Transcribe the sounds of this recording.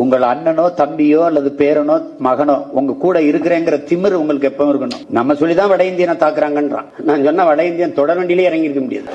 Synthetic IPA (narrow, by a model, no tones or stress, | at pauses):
ʊŋɡɐɭɐɳːɐnoːt̪ɐmbɪjoːɐlːɐðɯpeːɾɐnoː | mɐɣɐnoːʊŋɡɐkuːɽɐɪɾɯkːɯɾeːŋɡɐɪɾɐt̪ɪmɪɾʊŋɡɐɭɯkːɯɛpːɐʊ̃ɪɾɯkːɐɳʊ̰̃nɐmːɐsɔlːit̪ãːʋɐɽɐjɪnd̪ɪjɐnat̪aːkːɯɾaːŋɡɐnɾã̰ːnaːnsɔnːaːʋɐɽɐjɪnd̪ɪjɐnt̪ɔɽɐɾʋɐɳɖɪleːɪɾɐŋɡɪɾɯkːɐmʊɽɪ̰jɐ̰ðɯ